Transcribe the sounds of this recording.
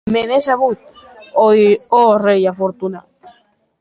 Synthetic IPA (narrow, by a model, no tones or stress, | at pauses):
menesaβut̪̚oorejafoɾt̪una